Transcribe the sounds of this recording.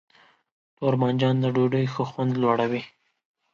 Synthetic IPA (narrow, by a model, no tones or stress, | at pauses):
t̪oɾmand͡ʒɑnd̪əɖoɖəjxəxwand̪lwɑɽawi